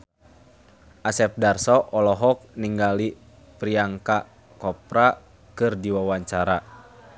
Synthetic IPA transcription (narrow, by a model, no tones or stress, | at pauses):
ʔasɛp̚darsɔʔɔlɔɦɔk̚niŋɡali | pɾiaŋka | kɔpɾa | kɨrdiwawaɲt͡ʃaɾa